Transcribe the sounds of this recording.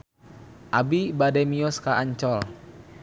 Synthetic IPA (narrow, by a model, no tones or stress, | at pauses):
ʔabibadɛmiɔskaaɲt͡ʃɔl